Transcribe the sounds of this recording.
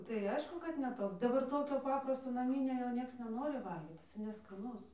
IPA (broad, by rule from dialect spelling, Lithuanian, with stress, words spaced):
tɐɪ ˈɐɪʃkʊ kɐt nʲɛ ˈtoːks ˈdɑːbɐr ˈtoːkʲoː ˈpɑːprɐstoː nɐˈmʲɪnʲoː jɛʊ ˈnʲiɛks nʲɛˈnoːrʲɪ ˈʋɐlʲɡʲiːt jɪˈsɐɪ nʲɛskɐˈnʊs